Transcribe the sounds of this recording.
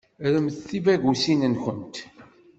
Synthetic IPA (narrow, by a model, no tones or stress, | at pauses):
ɾəmθθivæʝusinənçənt̪